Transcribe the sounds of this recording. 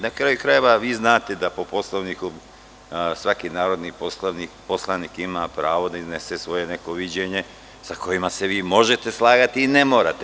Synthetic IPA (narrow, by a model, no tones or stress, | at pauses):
nakɾajukɾaje̞ʋaʋiːznaːt̪e̞d̪apo̞po̞slˠoʋniku | sʋakinaːɾo̞d̪niposlonipo̞slˠanikimapɾaːʋo̞d̪aizne̞sesʋo̞jene̞ko̞ʋid͡ʑeɲe̞ | sako̞jimaseʋiːmo̞ʒe̞t̪e̞slˠaːɡat̪iːnemo̞ːɾat̪e